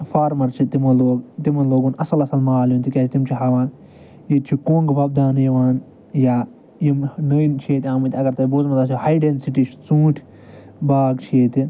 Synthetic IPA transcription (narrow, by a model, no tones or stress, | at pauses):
faːɾmɐɾt͡ʃʰit̪imɐloːɡt̪imɐloːɡuːnɐsɐlɐsɐlmaːljunt̪ʰikʲaːt̪imt͡ʃʰiɦaːʋaːn | jet͡ʃʰikõːŋɡʋɐb̚d̪aːnjɐʋaːn | jaː | jimnəːnt͡ʃʰieːt̪ʲãːmɨt̪ʲɐɡɐɾt̪ɐiboːzmɐt̪aːsihajɖensiʈiːt͡ʃʰi̥t͡sũːʈʲʰ | baːɡt͡ʃʰieːt̪i